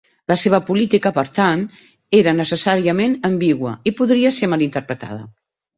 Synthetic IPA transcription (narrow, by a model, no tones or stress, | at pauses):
ləseβ̞əpulit̪ikəpəɾt̪an | eɾənəsəsaɾiəmenəmbiɣwə̰ipuðɾiəsemalint̪əɾpɾət̪a̰ðə̰